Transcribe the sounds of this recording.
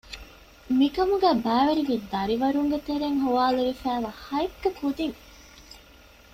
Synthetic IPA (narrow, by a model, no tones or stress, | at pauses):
mikɐmuɡæːbæːʋeɾiʋid̪ɐɾiʋɐɾuŋɡet̪eɾeŋɦuʋaːluɾifæːʋaːhɐjkːɐkud̪iŋ